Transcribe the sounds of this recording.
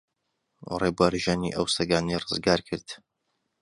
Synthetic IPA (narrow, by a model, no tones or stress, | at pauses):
rebwaɾʒanḭʔɐwsɐɡaːnejrɨzɡaːɾkʰɨɾd̪̥